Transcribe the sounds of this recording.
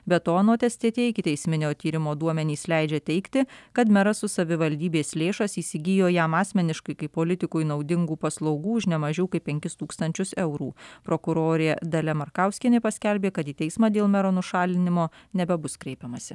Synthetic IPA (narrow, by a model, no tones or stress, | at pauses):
bʲɛt̪oːɐnoːt̪ʲɛsʲt̪ʲieɛt̪ʲeɪkʲɪt̪ʲɛɪsʲmʲɪnʲoːt̪ʲiːɾʲɪmoːd̪uɔmʲɛnʲiːslʲæɪd͡ʒʲɛt̪ʲɛɪkt̪ʲɪkɐt̪mʲɛɾɐsʊsɐʋʲɪʋɐlʲd̪ʲiːbʲeːslʲeːʃɐsiːsʲɪɡʲɪjoːjæmɑːsʲmʲɛnʲɪʃkɐɪkɐɪpːoːlʲɪt̪ʲɪkuːɪnɒʊd̪ʲɪŋɡuːpɐslˠɒʊɡuːʊʃnʲɛmɐʒʲɛʊkɐɪpʲɛŋʲkʲɪst̪uːkst̪ɐnʲt͡ʃʲʊsɛʊɾṵːpɾoːkʊɾoːɾʲeːd̪ɐlʲɛmɐɾkɑˑʊsʲkʲɪnʲepɐsʲkʲælʲbʲeːkɐt̪iːt̪ʲɛɪsmɑːd̪ʲeːlˠmʲɛɾonʊʃɑːlʲɪnʲɪmoːnʲɛbʲɛbʊskɾʲɛɪpʲɛmɐsʲɪ